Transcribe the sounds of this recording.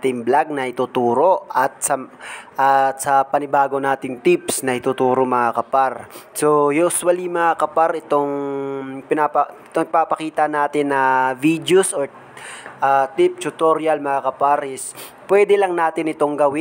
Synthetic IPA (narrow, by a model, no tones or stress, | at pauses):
t̪ɪmblaɡ̚nɐʔɪt̪ut̪uːɾo̞ɐt̪̚sɐʔat̪sɐpɐnɪbaːɡo̞naːt̪ɪŋt̪ɪpsnɐʔɪt̪ut̪uːɾomɐŋakɐpaɾsojuswɐliŋmɐŋakɐpaɾɛt̪o̞ŋ | pɪnapɐɪt̪opapɐkiːt̪ɐnaːt̪ɪnːɐvid̪josoɹ | ʔat̪ɪp̚t͡ʃ̪ʊt̪oɾjɐlmɐŋakɐpaɾʔɪs | pwɛd̪ɛlɐŋnaːt̪ɪnɪt̪o̞ŋɡɐwɪ